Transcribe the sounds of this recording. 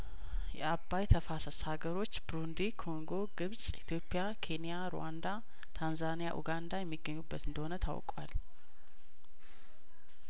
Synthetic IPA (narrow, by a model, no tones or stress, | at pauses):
jɛabːajt̪ʰəfasəshaɡəɾo̞t͡ʃːbɾund̪ikʰo̞ŋɡo̞ɡɨβsʼit̪ʰjo̞pʼːɪjakʰe̞nijaɾo̰wand̪a | t̪ʰanzanija̰ʔṵɡand̪ajɛmːiɡːəɲːubːət̪ɨnd̪əho̞nət̪ʰa̰wkʼwa̰l